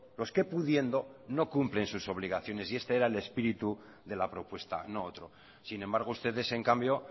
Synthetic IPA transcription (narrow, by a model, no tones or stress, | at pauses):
lo̞ske̞puðje̞nd̪o̞no̞kumple̞nsuso̞βliɣaθjo̞ne̞sie̞st̪e̞eɾaele̞spiɾit̪u | ðe̞lapɾo̞pwe̞st̪a̰no̞ot̪ɾo̞ | sinẽ̞mbaɾɣ̞oust̪e̞ðe̞seŋkambjo̞